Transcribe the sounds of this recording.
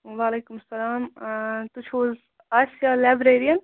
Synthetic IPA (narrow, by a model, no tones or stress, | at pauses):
ʋaːleːkʊmsɐlaːmt̪ʊt͡ʃʰoːl | aːsijaːlaːbɾeːɾijən